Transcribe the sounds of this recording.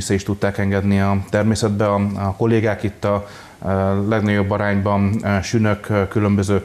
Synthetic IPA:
isɛiʃt̪ut̪ːaːkɛŋɡɛd̪niɒt̪ɛrmeːsɛd̪bɛɒɒko̞lːeːɡaːkit̪ːɒ | lɛɡnɒɟo̞bːɒɾaːɲbɒnʃynøkkːylø̞mbøzøː

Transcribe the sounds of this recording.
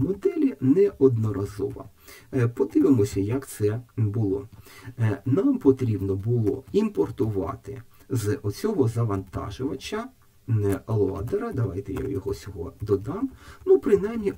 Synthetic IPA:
mɔd̪ɛlʲinɛʔɔd̪nɔɾɐzɔ̰ʋɐ̰ | pɔd̪ɪʋɪmɔsʲɐjɐkt̪sɛbʊlˠɔ̰ | nɑmpɔt̪ɾʲibnɔbʊlˠɔ̰impɔrt̪ʊʋɑ̰t̪ɪ̰ | zɔt͡sʲɔɦɔzɐʋɐnt̪ɑ̰ʒʊʋɐt͡ʃʲːɐ | lˠɔɑ̰d̪eɾɐd̪ɐʋɑjt̪ɛja̰jɔɦɔt͡sʲɔɦɔd̪ɔd̪ɑmnupɾɪnɑjmnʲi

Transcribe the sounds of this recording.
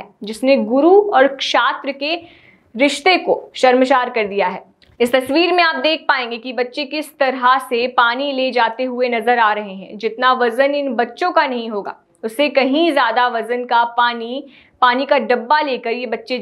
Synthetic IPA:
ɛːd͡ʒɪsneɡʊɾuɔːɾkʃaːt̪ɾəke | ɾɪʃt̪ekoʃɐɾməʃaːɾkɐɾd̪ijaɦɛː | ɪst̪ɐsʋiːɾmẽaːp̚d̪eːk̚ʰpaːẽːŋɡekibɐtːʃekɪst̪ɐɾɦasepaːniled͡ʒaːt̪eɦʊenɐzəɾaːɾɐɦeɦɛ̰̃d͡ʒɪt̪naʋɐzənɪnbɐtːʃõkanɐɦĩɦoːɡa̰ː | ʊsːekɐɦĩzjaːd̪aʋɐzənkapaːni | paːnikaɖɐbːaleːkɐɾjebɐtːʃe

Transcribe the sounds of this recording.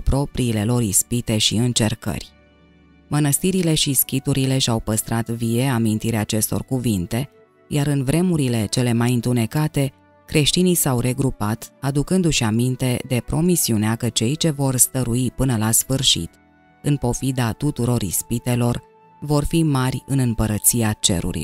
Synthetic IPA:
pɾo̞pɾiːle̞lo̞ɾispit̪e̞ʃiɨnt͡ʃe̞rkə̰rʲ | mənəst̪iɾile̞ʃiskʲit̪uɾile̞ʃawpəst̪ɾat̪vie̞amint̪iɾeaːt͡ʃe̞st̪o̞̰rkuvint̪e̞ | jʔaɾɨnvɾe̞muɾile̞t͡ʃe̞le̞majɨnt̪une̞kat̪e̞ | kɾe̞ʃt̪inijsawɾe̞ɡɾupat̪ad̪ukɨnd̪uʃiamint̪e̞d̪e̞pɾo̞misiuneakət͡ʃe̞jt͡ʃe̞vo̞rst̪əɾuipɨnəlasfɨrʃḭt̪ | ɨnpo̞fid̪at̪ut̪uɾo̞ɾḭspit̪e̞lo̞r | vo̞rfimarʲɨnɨmpəɾət̪siat͡ʃe̞̰ɾṵɾḭ

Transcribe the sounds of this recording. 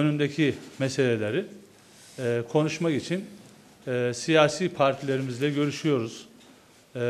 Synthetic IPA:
ønynd̪ecʰimese̞lʲe̞lʲeɾi | kʰo̞nuʃmakit͡ʃʰinː | sijaːsiːpʰaɾt̪ʰilʲe̞ɾimizlʲɛɟø̞ɾyʃyjo̞ɾuz̥

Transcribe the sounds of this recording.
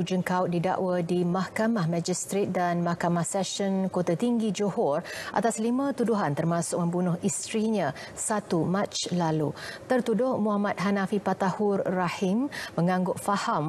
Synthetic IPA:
ud͡ʒənkaʊt̪̚dida̰ʔwadimahkamahmãd͡ʒist̪ɾet̪̚danmahkamahsɛʃɔnkot̪at̪iŋɡid͡ʒohɔrʔa̰t̪aslimãt̪uduɦant̪ərmasʊk̚mə̃mbunʊhist̪ɾiɲã | sat̪umat͡ʃlalut̪ərt̪udʊhmuɦamat̪̚ɦanafipat̪ahurːahimməŋãŋɡʊʔfaham

